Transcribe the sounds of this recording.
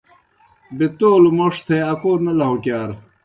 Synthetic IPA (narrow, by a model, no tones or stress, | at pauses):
bit̪oːlumoʂt̪ʰeɐkoːnɐlɐɦokjaːɾ